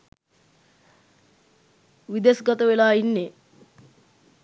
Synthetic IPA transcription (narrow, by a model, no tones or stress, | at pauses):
ʋid̪esɡat̪əʋelaːinːe